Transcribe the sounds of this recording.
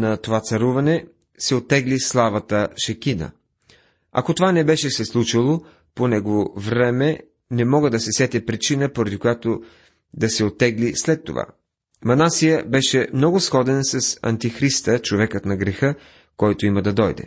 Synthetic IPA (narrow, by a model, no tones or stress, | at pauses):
nɐt̪ovat̪sɐɾuvɐnɛ | sɛot̪ːɛɡlislˠavɐt̪əʃɐkinə̰ | ɐ̰kot̪ovanɛbɛʃɛsɛslˠut͡ʃilˠo | ponɛɡovovɾɛmɛ | nɛmɔɡəd̪ɐsɛsɛt̪ʲɛpɾit͡ʃinəpoɾɐd̪ikojat̪o | d̪ɐsɛot̪ːɛɡlislɛt̪ːo̰va̰ | mɐnasijəbɛʃɛmnɔɡʊsxɔd̪ɛnsɐsɐ̰nt̪ixɾist̪ət͡ʃovɛkət̪nɐɡɾɛxɤ | kɔjt̪oiməd̪ɐd̪ɔjd̪ɛ̰